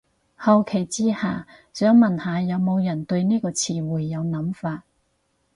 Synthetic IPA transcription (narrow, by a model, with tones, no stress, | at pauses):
hɐ˨wkʰe˨˩jt͡siː˥haː˨ | sœː˨˥ŋmɐ˨˩nhaː˨˧jɐ˨˧wmo˨˧wjɐ˨˩nt̪ɵ˧ɥniː˥kɔː˧t͡sʰiː˧wuː˨˩jːɐ˨˧wnɐ˨˥mfaː˧t̚